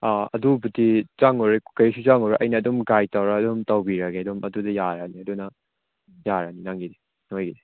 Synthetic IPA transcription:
aɐ̰dubutit͡ʃaŋoɾekɐɾisut͡ʃaŋɔɾaʔɐjnɐːdumɡajtawɾaːdumtawbiɾɐɡeɐdumʔɐdudɐjaɾaniɐdunɐ | jaɾaninaŋɡide | nojɡide

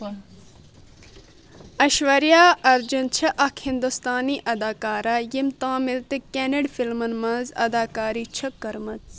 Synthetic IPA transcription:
ɐʃʋɐɾjaːʔɐɾd͡ʒunt͡ʃʰɐʔɐkʰhind̪ust̪aːniːʔɐd̪aːkaːɾaːjimt̪ãːmɪlt̪ɨkeneɖfilmɐnmɐ̃zɐ̰d̪aːkaːɾiːt͡ʃʰɐkːɐɾmɐt͡s

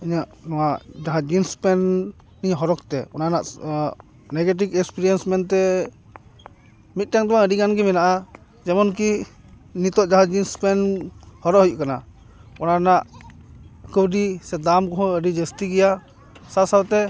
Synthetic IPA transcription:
əɲaʔnɔwaʔd͡ʒaɦãd͡ʒinspɛnː | iɲɦɔɾɔk̚t̪ɛ̰ɔnanaʔ | nɛɡɛʈ̬ikɛkspiɾijɛnsmɛnt̪ɛ | mit̪̚ʈaŋd̪ɔwaəɖikanɡɛmɛnaʔa | d͡ʒɛmɔnki | nit̪ɔʔd͡ʒaɦãd͡ʒinspɛnhɔɾɔʔɦjuʔkana | ɔnanaʔ | kəwɖisɛd̪amkɔɦɔ̃əɖid͡ʒəst̪iɡɛja | sasawt̪ɛ

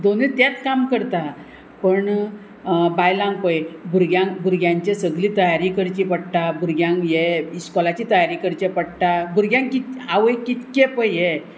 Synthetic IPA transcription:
d̪onit̪jat͡skamkəɾt̪a | pəɳ | bajlãŋɡpəjbʱuɾɡjãŋɡbʱuɾɡjãɲt͡ɕesəɡliːt̪əjaɾikəɾt͡ɕipəɽʈ̪abuɾɡjãŋɡjeiskɔlat͡ɕit̪əjaɾikəɾt͡ɕepəɽʈ̪abuɾɡjãŋkit̪aʋəjkit̪kepəjje

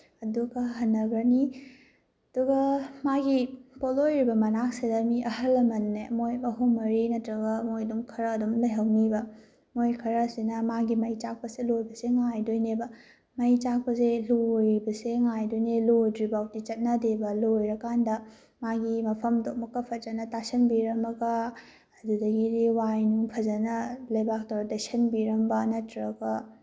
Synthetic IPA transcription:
ɐduɡɐɦɐnːɐɡɾɐni | ɐd̥uɡɐmaɡipolojɾibɐmɐnak̚sedɐmiʔɐhɐlːɐmɐnːemojɐɦumːɐɾinɐtɾɐɡɐmojdumkʰɐɾɐːdumlɐjɦɐwnibɐ | mojkʰɐɾɐsinɐmaɡimɐjt͡ʃak̚pɐselojbɐseŋajdojnebɐ | mɐjt͡ʃak̚pɐselojbɐseŋajdojnelojdɾibawt̚dit͡ʃɐt̚nɐdebɐlojɾɐkandɐ | maɡimɐpʰɐmdok̚mɐkːɐpʰɐt̚d͡ʒɐnɐtasɐnbiɾɐmɐɡɐː | dudɐɡiɾiwajnuŋpʰɐzɐnɐlɐjbak̚tɐwɾɐdɐjsɐnbiɾɐmbɐnɐtɾɐɡɐ

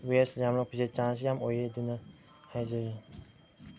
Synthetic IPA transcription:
wesjamɾɔk̚pʰizet͡ʃans̬jamojedinɐ | hajzaji

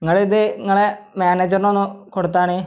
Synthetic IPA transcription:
iŋːɐɭiðɨiŋːɐɭemaːneːd͡ʑɐrno̞nːukoɽut̪̬ːaːɳɨ

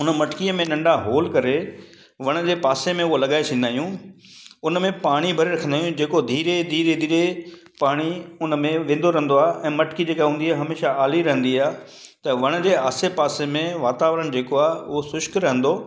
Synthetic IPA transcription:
ʊnəmɐʈkiəmẽɗɐ̃ɳɖaɦoːlkɐɾe | ʋɐɽ̃ə̆d͡ʑeːpaːsemẽʊɦolɐɠaːet͡ɕʰĩːn̆d̪aːɦijũ | ʊnmẽpaːɽ̃ibʱɐɾeɾɐkʰə̃nd̪aːjũd͡ʑeːkod̪ʱiːɾed̪ʱiːɾed̪ʱiːɾe | paːɽ̃iʊnəmẽʋẽːn̆d̪oɾɐɦənd̪oaːʔɛ̃ːmɐʈkid͡ʑeːkaɦũːnd̪iaːɦɐmeːʃaaːliɾɐɦə̃nd̪iaː | t̪ɐʋɐɽ̃ə̆d͡ʑeːaːsepaːsemẽʋaːt̪aːʋɾəñd͡ʑeːkoaːɦʊɦosʊʃkɾɐɦə̃nd̪oː

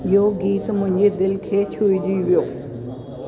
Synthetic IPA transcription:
joːɡiːt̪mʊɲʲd͡ʑed̪ɪlkʰeːt͡ɕʰuid͡ʑiːʋjoː

